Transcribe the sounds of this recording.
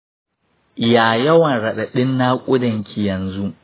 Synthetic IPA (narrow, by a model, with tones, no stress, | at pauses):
jaː˨jɐ˦wɐ˨nɽɐ˨ɗa˨ɗɪ˦nːa˦kʷʼʊ˦dɐ˨ŋkʲʰi˨jɐ˨nzu˦ʔ